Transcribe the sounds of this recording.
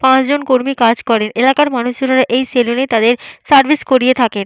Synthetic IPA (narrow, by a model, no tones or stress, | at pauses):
pãt͡ɕd͡ʑonkoɾmikad͡ʑkɔɾenʔelakaɾmanuʃd͡ʑonaɾaʔejselonet̪ad̪eɾsaɾbʱiskoɾiet̪ʰaken